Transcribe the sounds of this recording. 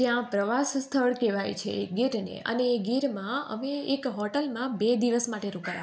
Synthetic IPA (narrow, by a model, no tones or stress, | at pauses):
jãpɾəʋasst̪ʰəɭkeʋajt͡ʃʰḛɡiɾnḛə̰neːɡiɾmãə̰meːkɦɔʈəlmãbed̪iʋəsmaʈeɾũkaɾa